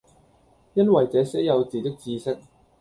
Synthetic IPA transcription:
jɐ˥nwɐ˨jt͡sɛː˨˧sɛ˨˥jɐ˨˧wt͡siː˨˩t̪ɪ˥k̚t͡siː˧sɪ˥k̚

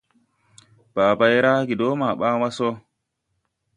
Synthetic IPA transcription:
b̥aː˨ba˨jɾa˦ɡi˨do˦ma˨ɓa˦wa˦so˦

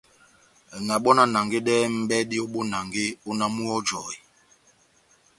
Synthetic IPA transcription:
ŋa˨ɓɔ˦na˦na˨ŋɡe˦ɗɛː˦m̩˦bɛ˦di˦ɔ˦ɓo˦na˨ŋɡe˦o˦na˦mu˦ɔ˦d͡ʒɔ˨i˨

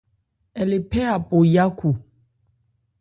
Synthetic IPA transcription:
ɛ˨le˨pɛ˦a˨po˨ja˦kʰu˨

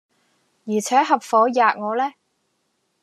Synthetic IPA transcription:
jiː˨˩t͡sʰɛː˨˥ɦɐ˨p̚fɔː˨˥jaː˨k̚ŋɔː˨˧lɛː˥

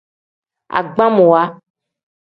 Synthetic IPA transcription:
a̰˨ɡ͡bã˦mõ˨wa˦

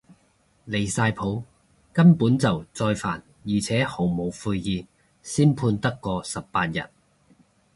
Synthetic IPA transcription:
le˨˩jsaː˧jpʰo˨˥w | kɐ˥mpuː˨˥nt͡sɐ˨wt͡sɔː˧jfa̰ː˨˩n | jiː˨˩t͡sʰɛː˨˥ho˨˩wmo˨˩wfuː˧jjiː˨˩ | siː˥npʰuː˧nt̪ɐ˥kːɔː˧sɐ˨p̚paː˧t̚jɐ̰˨t̚

